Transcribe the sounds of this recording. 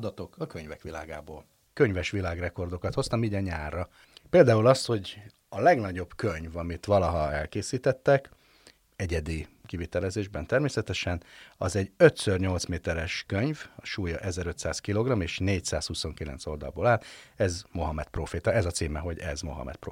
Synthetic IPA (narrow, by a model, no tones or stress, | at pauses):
d̪ɒt̪o̞kɒkøɲvɛkʋila̰ːɡa̰ːboːl | køɲvɛʃʋilaːɡrɛko̞rd̪o̞kɒt̪ho̞st̪ɒmiːɟɒɲaːrːɒ | peːld̪aːulɒst̪ho̞ɟ | ɒlɛɡnɒɟo̞bkøɲvɒmit̪ʋɒlɒɦɒɛlkeːsiːt̪ɛt̪ːɛk | ɛɟɛd̪ikivit̪ɛlɛzeːʒbɛnt̪ɛrmeːsɛt̪ɛʃɛnɒzɛɟøt̪sørɲo̞lt̪smeːt̪ɛɾɛʃkøɲvɒʃuːjɒʔɛzɛɾø̞t̪saːskilo̞ɡrɒmeːʃneːcsa̰ːshuso̞ŋkilɛ̰nt̪so̞ld̪ɒ̰lboːlaːlɛzmo̞ɦɒmɛt̪proːfeːt̪ɒɛzɒt̪siːmɛɦo̞ɟɛ̰zmo̞̰ɦɒ̰mɛ̰t̪̚pro